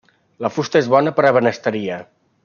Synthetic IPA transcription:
ləfust̪əezβɔnəpəɾəβ̞ənəst̪əɾiə

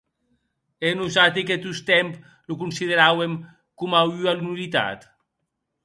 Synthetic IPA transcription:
enusat̪̬iket̪ust̪ɛmp | lukunsiðeɾawem | kumawyalunulit̪a̰t̪

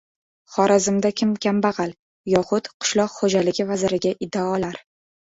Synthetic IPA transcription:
χɒɾazɪmd̪akʲʰɪmkʲambaʁɑl | jɒχʊt̪qʰʊ̥ʃlˠɒqχod͡ʒalɪɡʲɪvazɪɾɪɡʲaʔɪd̪ːaɒlaɾ

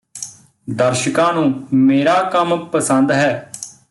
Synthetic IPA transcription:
d̪əɾʃəkãːnũːmeːɾaːkəmpəsənd̪ɦɛː

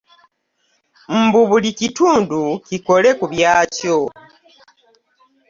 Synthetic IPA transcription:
m̩buβulicituːnduciko̞le̞kuβjaːco

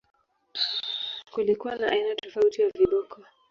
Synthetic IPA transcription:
kulikuwanaʔainatɔfautijaviɗɔkʰɔ

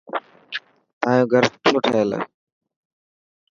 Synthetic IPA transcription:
aːjõːɡʱəɾt͡ʃʰoːʈʰəəl̰

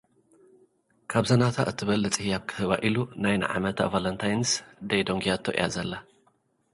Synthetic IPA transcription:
kʰaβzɐnat̪ʰaʔɨt̪ʰːɨβɐlːɨt͡sʼihijaβkʰɨ̥hɨβa̰ʔilunajnɨ̰ʕa̰mɐt̪ʰa̰valɐnt̪ʰajnsd̪ɐjd̪o̞ŋɡijat̪ʰoʔj̰a̰zɐlːa

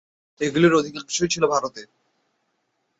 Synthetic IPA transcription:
eɡuliɾod̪ʱikanʃʰojt͡ɕʰilobʱaɾot̪eɾ

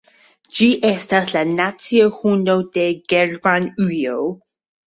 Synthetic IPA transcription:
d͡ʒiːʔɛstaslanat͡siohunodeɡɛɹmanʉjo

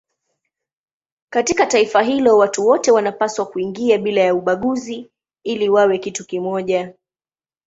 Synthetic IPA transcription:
katikataifaɦilɔwatuwɔtɛwanapaswakuiŋɡiaɓilajauɓaɠuzi | iliwawɛkitukimɔʄa

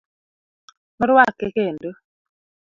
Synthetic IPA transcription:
mɔɾwakːɛkendo

